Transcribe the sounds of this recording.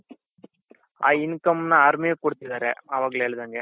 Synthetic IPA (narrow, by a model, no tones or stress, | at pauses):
aːinkɐmnɐaɾmijekoɽt̪id̪aːɾeɐʋaːɡɐleeːɭd̪aŋɡe